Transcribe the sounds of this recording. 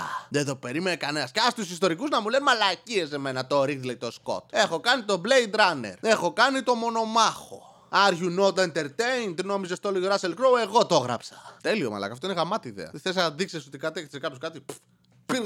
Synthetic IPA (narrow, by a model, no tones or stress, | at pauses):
ðeðope̞ɾimenekanenɐsceɐst̪usist̪o̞ɾikuznɐmulemɐlaciese̞me̞nɐt̪o̞ɾiθileit̪o̞sko̞̰t̪e̞xo̞kɐnit̪o̞blejd̪ɾɐnḛɾe̞xo̞kɐnit̪o̞mo̞no̞mɐxo̞̰ | ɐɾʝunot̪int̪eɾt̪eint̪inomizest̪oloʝoɾɐselkɾowe̞ɣot̪o̞ɣɾɐ̰psɐ̥t̪elio̞̰mɐ̰lɐ̰kɐft̪oineɣɐmɐt̪iðḛɐ̰t̪θes̬ɐðiksesot̪ikɐt̪iext̪e̥sekɐpjoskɐt̪ip | piɾ